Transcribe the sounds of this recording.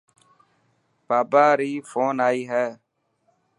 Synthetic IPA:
b̥aːbaːɾiːfoːnaːiɦɛː

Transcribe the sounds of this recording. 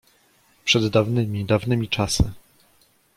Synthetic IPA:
pʂɛd̪ːavnɘmʲid̪avnɘmʲit͡ʂasɘ̰

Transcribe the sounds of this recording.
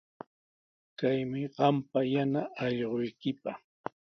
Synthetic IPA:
kajmɪɢɑmpajanaɑʎɢojkɪpɑχ

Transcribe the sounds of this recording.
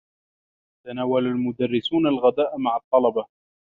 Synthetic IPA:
t̪anaːwalalmʊd̪arːɪsuːnalɣad̪aːʔmaʕɑt̪ˤːɑlɑbɑ

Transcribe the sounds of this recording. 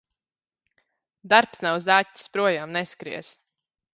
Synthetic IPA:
d̪aɾpsnawzaːtʲːi̥spɾuɔjaːmnɛskɾḭɛs

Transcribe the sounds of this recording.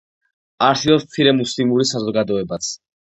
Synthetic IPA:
aɾsilˠɔsmt̪sʰiɾɛmuslimuɾisazɔɡad̪ɔɛbat̪sʰ

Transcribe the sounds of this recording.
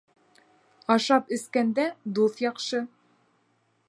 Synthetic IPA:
ɑʃɑpɘ̆skænd̪æd̪uθjɑqʃɤ

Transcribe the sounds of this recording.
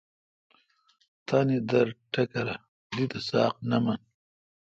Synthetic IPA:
t̪aːnid̪ɐɾʈɐkɐɾa | d̪it̪ɐsɑːqnɐmɐn

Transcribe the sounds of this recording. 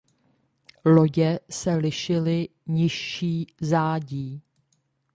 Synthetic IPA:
lo̞ɟɛsɛlɪʃɪlɪ | ɲɪʃiːzaːɟiː

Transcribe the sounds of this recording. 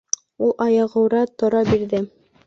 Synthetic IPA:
ulˠʔɑjɑ̆ʁɤ̆wɾɑt̪ŏɾɑbiɾðɘ

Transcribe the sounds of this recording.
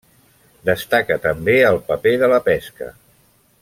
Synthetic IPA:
d̪əst̪akət̪əmbeəlˠpəpeðələpɛskə̰

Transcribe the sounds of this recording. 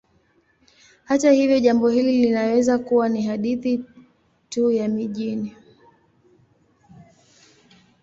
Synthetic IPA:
hatahivjɔʄambɔhililinawɛzakuwaniɦaɗiθi | tujamiʄini

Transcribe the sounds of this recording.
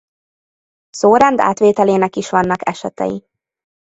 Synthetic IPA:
soːɾɛnd̪a̰ːt̪ʋeːt̪ɛleːnɛkiʃʋɒnːɒkɛʃɛt̪ɛ̰jḭ

